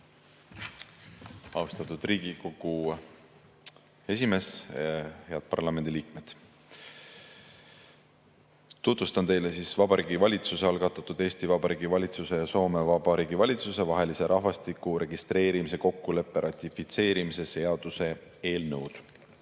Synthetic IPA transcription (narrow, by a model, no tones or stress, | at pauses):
ɑwst̪ɑt̪ud̪̥riːɡ̥iko̞ɡ̥u | e̞sime̞s | he̞ɑd̪̥̚pɑ̰rlɑme̞nd̪̥iliːk̚me̞d̪̥ | t̪ut̪vust̪ɑnt̪e̞jlesiːsvɑbɑɾiːɡivɑlʲit̪suse̞ɑlɡ̥ɑt̪ːˑɑt̪ud̪̥e̞ːst̪ivɑbɑɾiːɡ̥ivɑlʲit̪suse̞jɑso̞ːme̞vɑbɑɾiːɡ̥ivɑlʲit̪suse̞vɑɦe̞lise̞ɾʔɑɦvɑst̪ikuɾe̞ɡist̪re̞ːɾimise̞ko̞kːule̞pːe̞ɾʔɑt̪ʲːifit̪se̞ːɾimise̞se̞ɑd̪̥use̞ | e̞ːlnɤwd̪̥